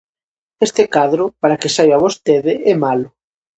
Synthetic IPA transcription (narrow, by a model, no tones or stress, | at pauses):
est̪ekaðɾʊpaɾakɪsajβaβost̪eðɪɛmalʊ